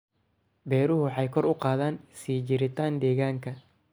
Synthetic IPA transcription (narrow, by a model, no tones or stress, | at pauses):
bɛːɾʊɦʊħɑjkʰɔɾʊqɑːðaːnsiːd͡ʒɪɾɪt̪ʰaːnd̪ɛːɣaːŋkʰɐ